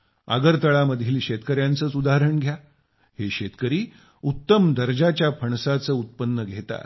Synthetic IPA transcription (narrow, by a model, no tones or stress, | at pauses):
a̰ɡəɾt̪əɭaməd̪ʱiːlɕet̪kəɾjãnt͡səːt͡sud̪aɾəɳɡʱja | heɕet̪kəɾiː | ut̪ːəmd̪əɾd͡ʑat͡ɕjapʰəɳsat͡səːut̪̚pənːəɡʱet̪a̰t̪